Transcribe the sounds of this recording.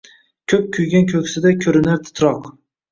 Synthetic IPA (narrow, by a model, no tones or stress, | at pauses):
kʲʰɵp̚kʲʰʊjɡʲankʲʰɵkʲsɪd̪akʲʰɵɾɪnaɾt̪ʰɪ̥t̪ɾɒq